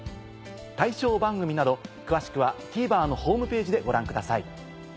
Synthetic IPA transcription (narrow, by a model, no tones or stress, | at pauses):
t̪aiɕo̞ːbãŋɡɯ̟mʲinad̪o̞kɯ̟βaɕi̥kɯ̟βakʲiːbaːno̞ho̞ːmɯ̟pe̞ːʑid̪e̞ɡo̞ɾãŋkɯ̟d̪asaḭ